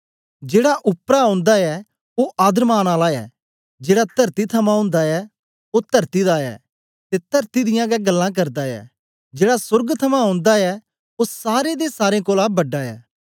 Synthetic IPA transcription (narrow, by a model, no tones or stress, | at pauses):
d͡ʒeːɽaʔʊpɾaõːnd̪aɛ | oʔaːd̪əɾmaːnaːlaɛ̰ː | d͡ʒeːɽat̪ɐɾt̪it̪ʰɐmãɦʊ̃ːnd̪aɛ | ot̪ɐɾt̪id̪aːɛ̰ː | t̪et̪ɐɾt̪id̪ɪjãɡɛɡɐlːãk̬ɐɾd̪aɛ̰ː | d͡ʒeːɽasʊɾɡt̪ʰɐmãɦõːnd̪aɛ | osaːɾed̪esaːɾẽkoːlaːbɐɖːaɛ̰ː